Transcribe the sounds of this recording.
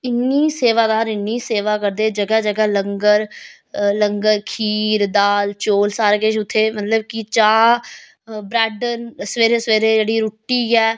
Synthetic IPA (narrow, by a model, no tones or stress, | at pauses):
ɪnːiːseːʋaːd̪aːɾɪnːiːseːʋaːkəɾd̪eːd͡ʒəɡɛːd͡ʒəɡɛːləŋɡəɾ | ləŋɡəɾkʰiːɾd̪aːlt͡ʃoːlsaːɾɡeːʃʊt̪ʰːeːmət̪ləbkɪt͡ʃaː | bɾɛːɖənsəʋeːɾeːsʋeːɾeːd͡ʒeːɽiːɾʊʈːiːɛː